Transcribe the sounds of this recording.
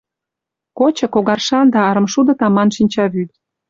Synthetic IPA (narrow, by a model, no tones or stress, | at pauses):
kot͡ɕɤ̆koɣɑrʃɑnd̪ɑɑɾə̆mʃud̪ɤ̆t̪ɑmɑnʃinʲt͡ɕɑβyt̪